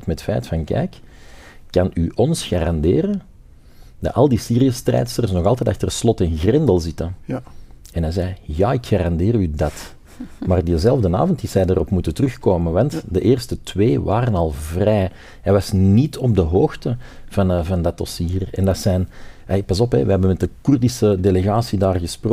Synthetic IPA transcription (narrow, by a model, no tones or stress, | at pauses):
tmɛtfɛːtfɑnkɛ̰jkː | ɑnyʔɔnsxaːɾɑndeːɾən | dɑ̰ʔɑlˠdiːsiːɾiəstrɛ̰ːtsərsnɔɣɑlˠt̪ɛːtaxtərslɔtɪnɣrɪndəlˠzɪtə | ɛnɛjzɛjjaːɪkxaɾɑndeːrɾydɑt | maːrdəzɛlˠvdəna̰ːvɔntisɛjdəɾɔpmutətərʏxkoːmənʋɑntdəʔeːrstətʋeːʋaːɾənɑlˠvrɛː | ɦɛjʋɑsnitʰɔb̚dəɦoːxtəv̥ɑnvɑndɑtɔsiːrɛ̰ndɑtsɛːn | ɛlpɑzɔpɦɛ̰ʋəɦɛbənmɛt̚dəkurdisədeleɣaːsidaːrɣəspro